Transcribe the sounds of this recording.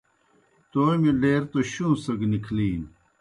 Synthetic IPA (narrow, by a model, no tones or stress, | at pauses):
t̪oːjmileːɾt̪oɕũːsɐɡnikʰliːn